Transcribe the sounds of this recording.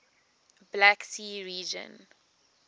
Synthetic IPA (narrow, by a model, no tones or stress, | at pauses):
blaksiːɹiːd͡ʒə̰̃n